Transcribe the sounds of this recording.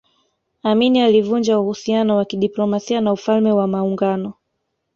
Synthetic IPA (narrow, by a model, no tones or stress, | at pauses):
aminialivund͡ʒauhusianɔwakiɗiplɔmasianaufalmɛwamauŋɡanɔ